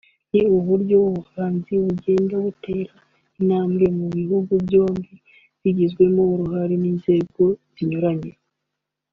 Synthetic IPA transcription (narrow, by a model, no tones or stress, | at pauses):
niuβuɾɟouβuhaːnziuɟe̞ːndaβute̞ːɾa | inaːmɡe̞muβihuɡubjo̞ːmbi | βiɟizɡwe̞moɾuhaɾiniːnze̞ːɡo̞z̥iɲoɾaɲeɾa